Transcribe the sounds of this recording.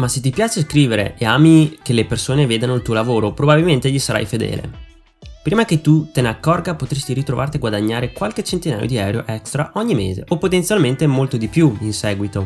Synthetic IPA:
maset̪ːipjaːt͡ʃeskɾiːveɾḛʔeaːmikelepersoːneveːd̪anoilt̪uolavoːɾopɾobabilment̪eʎisaɾa̰jfed̪ɛ̰ːlḛ | pɾiːmaket̪ːut̪eneakːɔrɡapot̪ɾest̪iɾit̪ɾovart̪iaɡwad̪aɲːaːɾekwalk̟et͡ʃent̪ina̰ːjo̰d̪iɛwɾo̰ʔɛkst̪ɾaʔɔɲːimḛːzḛopːot̪ent̪sjalment̪emolt̪od̪ipjuinsɛːɡwit̪o

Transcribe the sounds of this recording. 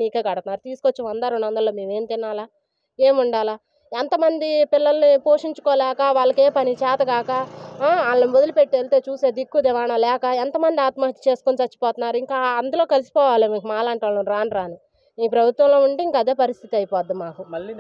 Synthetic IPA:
iːkeːkɐɽɐt̪unːaːɾut̪iːsukot͡ʃːiʋɐnd̪aːɾoɳːʋɐnd̪ɐlːoːmiːʋe̞ːmt̪inːaːlaː | e̞ːmuɳɖaːlaː | ent̪ɐmɐnd̪ipilːɐlɐnipoːʂiɲt͡ʃukɔːlɛːkɐʋaːɭːɐke̞ːpɐnit͡ʃɛːt̪ɐɡaːkɐaːlːɐnibod̪ɐlupe̞ʈːielt̪eːt͡ʃuːse̞ːd̪ikːud̪iʋaːɳɐlɛːkɐent̪ɐmɐnd̪iaːt̪mɐɦit̪i̥t͡ʃe̞ːsu̥konit͡ʃ̪ɐt͡ʃːi̥pɔːt̪unːaːɾuiŋkaːɐnd̪ulo̞ːkɐlisi̥pɔːʋaːleːʋiŋkɐmaːlaːɳʈʋaːlunɾaːnɾaːni | iːpɾɐbʱut̪ʋɐmlo̞ːuɳɖiiŋkaɐd̪e̞ːpɐɾist̪ʰit̪iɐjipɔːd̪ːimaːku

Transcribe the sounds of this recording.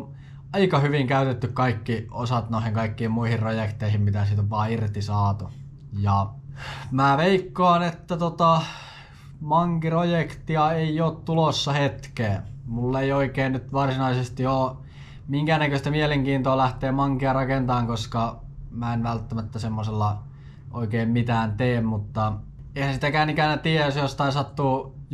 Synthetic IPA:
n | ɑikɑhyʋiŋkæyt̪et̪ːykkɑikːiosɑt̪noˑihiŋkɑikːiːmmuihirrojekt̪eihimmit̪æsit̪opɑːirt̪isɑːt̪u | jɑ | mæːʋeikːoɑnet̪ːæt̪ot̪ɑ | mɑŋkirojekt̪iɑeioːt̪t̪ulosːɑhet̪keːmulːeioikeːnnyt̪ʋɑrsinɑisest̪ioː | miŋkænækøst̪æmieleŋkiːnt̪oːlæht̪eːmɑŋkiɑrɑkent̪ɑːŋkoskɑmæenʋælt̪ːæmæt̪ːæsemːoselːɑ | ʔo̰ikeːmmit̪æːnt̪eːmmut̪ːɑ | eihænsit̪ækæːnikænæt̪iæsjost̪ɑisɑt̪ːuː

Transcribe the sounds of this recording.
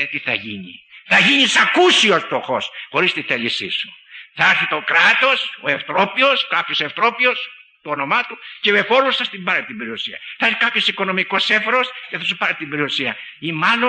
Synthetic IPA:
et̪iθaʝiɲḭθɐʝiɲisakusiost̪oxosxoɾist̪it̪elisḭsu̥θaaɾθit̪okɾat̪oseft̪ɾopioskapjoseft̪ɾopios | t̪uonomat̪uceβefoɾusθast̪imbaɾet̪imbɾiosiɐ̰θḁkapjosikonomikosefɾosceθas̬upaɾet̪imbɾiosiɐ | imano

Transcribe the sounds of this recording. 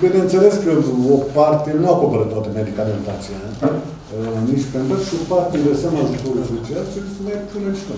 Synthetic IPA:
binenseleskəopart̪inuakopəɾɨt̪ːwat̪əmed̪ikament̪at̪siele | nit͡ʃpent̪əʃokpaɾt̪ʲid̪esəmaʒut̪oɾusot͡ʃeat͡ʃismajpʰunet͡ʃt̪o

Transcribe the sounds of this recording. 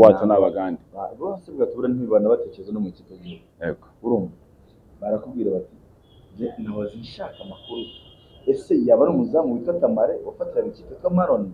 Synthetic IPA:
waːt͡sanaβaɡaːndiaβoseβɡatuβuɾenhiβanaβate̞ceezenomuciːtoɡioḛɡouɾoːma | βaɾakubɡiːɾaβati | zenaβoziːʃakamakuɾu | esejaβanomuzamuβitwatamaɾeofatiɾamuciːtotwamaɾona

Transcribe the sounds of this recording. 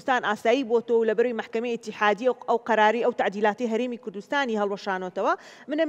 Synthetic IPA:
st̪aːnʔaːsaːjiːbot̪ɐwɐwlɐbɐɾɐwejmaħkɐmejɪt̪ːɪħaːd̪iʔɐwqɑɾaːɾɐjʔɐwt̪aʕd̪iːlaːt̪ejɦɐɾeːmikʊɾd̪ust̪aːniɦɐlˠwɐʃaːnot̪ɐwɐ | mɨnɐm

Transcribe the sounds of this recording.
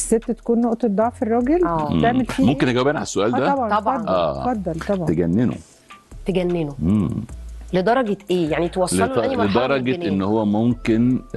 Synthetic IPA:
sːet̪ːæt̪æ̥kuːnːoʔt̪ˤed̪ˤːɑʕferˤːɑːɡelæːt̪eʕmelfiːmomkenʔeɡæwbæːnʕa̰lsːoʔæːld̪æɑbʕɑnɑɑd̪ʔæ̰ːfɑd̪ːɑlt̪ɑbʕɑt̪eɡænːeno̰ | t̪eɡænːenoemled̪ˤɑɾˤɑɡet̪ʔeːjaʕnit̪wɑsˤleæled̪ɑɾˤɑɡeʔenːhowːæmomken

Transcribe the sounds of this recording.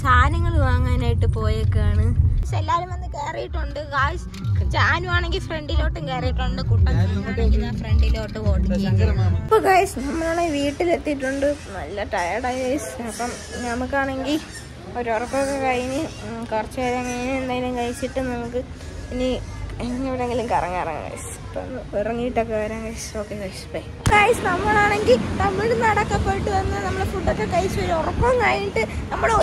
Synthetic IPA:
saːnɐŋːɐɭʋaːŋːaːnaːjiʈːɨpo̞ːjokːejaːɳɨɐselːaːlumʋɐnːɨkeːrɐjiʈːuɳɖɨkaːjs | t͡ɕaːnuaːɳe̞ŋɡilfre̞ɳɖilo̞ːʈːumkeːrijiʈːauɳɖɨkuʈːɐnɐmːumɐːeŋɡilnaːfreɳɖiloːʈːɨoːʈːɨkːɐjuŋɡɐjɳɐipːoːɡaːjɐsnɐmːɐlaːɳeʋiːʈːilet̪ːiʈːuɳɖɨnɐ̰lːɐʈɐjɐrɖɐjʋɐjsɐpːɐm | nɐmukːaːɳe̞ŋɡil | oɾorɐpːɐkːekɐjinɨkɐrt͡ɕːaɾɐŋːɐjinɨend̪aːŋɡilumkɐjit͡ɕːiʈːɨnɐmukːɨ | inienŋiʋiɾeŋɡilumkɐrɐ̰ŋːa̰ːrɐ̰ŋ̰ka̰jɐ̰s | ɐpːonːɨirɐŋːijiʈːokːeɐaːɾɐŋkɐjso̞ːkːekɐjspɐj | kajsɨnɐmːɐɭaːɳe̞ŋɡilnɐmːɭiɽunːɐɽɐkːɐpːɐjiʈːɨʋɐnːɐɨnɐmːɐɽefuʈːɐkːekɐjit͡ɕːɨoɾorɐpːɐmkaːjiʈːɨnɐmːuɽe

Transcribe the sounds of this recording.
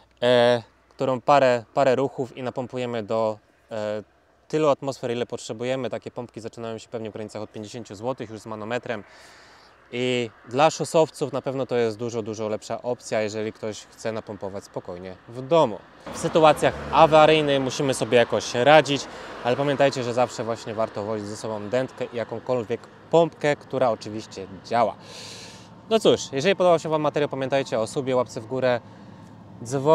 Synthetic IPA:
kt̪uɾɔ̃w̃paɾɛpaɾɛɾuxufinapɔmpujɛmɘd̪ɔ | t̪ɘluat̪mɔsfɛɾilɛpɔtʂɛbujɛmɘt̪akʲɛpɔmpkʲizat͡ʂɘnajɔ̃ɕɛ̥fpɛvɲɛɡkɾaɲitsaxɔt̪̚pʲeɲd͡ʑeɕeɲt͡ɕuzwɔt̪ɘxjuʐzmanɔmɛt̪ɾɛm | id̪laʂɔsɔft̪sufnapɛvnɔt̪ɔjɛst̪d̪uʐɔd̪uʐɔlɛpʂaʔɔp̚t̪sʲjajɛʐɛlʲikt̪ɔɕxt̪sɛnapɔmpɔvat͡ɕʲspɔkɔjɲɛvd̪ɔmṵ | fsɘt̪uat̪sʲjaxavaɾɘjnɘxmuɕimɘsɔbʲjɛjakɔɕɾad͡ʑit͡ɕalɛpamʲjɛnt̪ajt͡ɕɛʐɛzafʂɛvwaɕɲɛvaɾt̪ɔvɔd͡ʑid͡ʑzɛsɔbɔ̃w̃d̪ɛnt̪kɛʔijakɔ̃w̃kɔlvʲjɛk | pɔmpkɛkt̪uɾaɔt͡ʂɘvʲiɕt͡ɕɛd͡ʑawa̰ | nɔt̪suʂjɛʐɛlʲipɔd̪ɔbaɕɛvamːat̪ɛɾjɔpamʲjɛ̃nt̪ajt͡ɕɛɔsubʲjɛwap̚t̪sɘvɡuɾɛ | d̪zvɔ

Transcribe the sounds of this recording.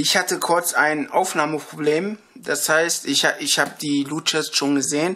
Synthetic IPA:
ʔɪçhatəkʰʊɐt͡saɪnʔaʊfnaːməpʁ̥obleːm | d̥ashaɪstɪçaɪçhaːbəd̥iːluːt͡ʃɛstʃoːnɡəzeːən

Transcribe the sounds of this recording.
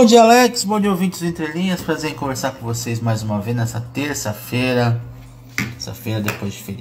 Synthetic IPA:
bõd͡ʒiɐalɛkɪ̥sbõd͡ʒiowvĩnt͡ʃɪzẽt̪ɾelĩɲɐspɾazeɾẽkõveɾsaɾkõvosejzmajzũmɐvejznɛsɐt̪eɾsɐfejɾɐ | esɐ̰fejɾɐd̪epojzd͡ʒɪfeɾi

